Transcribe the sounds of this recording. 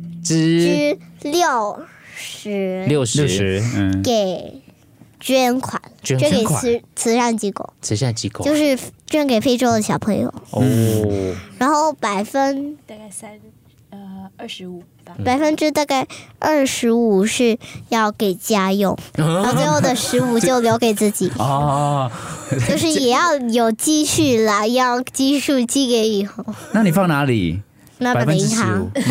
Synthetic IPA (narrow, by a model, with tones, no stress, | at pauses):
ʈ͡ʂɻ̩˥ | ljo˥˩ʊʂɻ̩˧˥ljo˥˩ʂɻ̩˧˥ke˨˩˦ɪ | t͡ɕɥɛ˥nkʰwa̰˨˩˦nt͡ɕɥke˨˩˨t͡sʰɹ̩˧˥ʂa˥˩nt͡ɕi˧˥ko̰˨˩˦ʊt͡sʰɹ̩˧˥ʂa˥˩nt͡ɕi˧˥ko˨jo˥˧ʊʂɻ̩˥˧t͡ɕɥɛ˥˩nke˨˩ɪfe˥ɪʈ͡ʂo˥ʊd̪ə˨˩ɕjɑ˨˩ʊpʰɤ˧˥ŋjo̰˨˩ʊ˧ | ɻa˧˥nxo˥˩ʊpa˨˩ɪfə˥n˧˩ | pa˨˩ɪfə˥nʈ͡ʂɻ̩˥t̪a˥˧ka˥˩˧ɪʔə˞˥˩ʂɻ̩˧˥u˨˩ʂɻ̩˥˧jɑ˥˩ʊke˨˩ɪt͡ɕja˥jʊ˥˧˩ŋ˥˧˩swɪxo˥˩d̪ə˨˩ʂɻ̩˧˥u˨˩t͡ɕjo˥˩ʊljo˧˥ʊke˨˩ɪt͡sɹ̩˥˩t͡ɕi˨˩˦ɔ˧ | t͡ɕjo˥˧ʊʂɻ̩˥˩jɛ˨˩jɑ˥˩ʊjo˨˩ʊt͡ɕi˥˧ɕy˥˩la˩jɑ˥˧ʊt͡ɕi˥ʂu˥˧t͡ɕi˥˩ke˧˥ɪi˨˩xo˥˩˧ʊna˥˩ni˨˩fɑ˥˩ŋna˧˥lḭ˨˩˦ | na˥˩pa˨˩˥t̪ʰɑ˥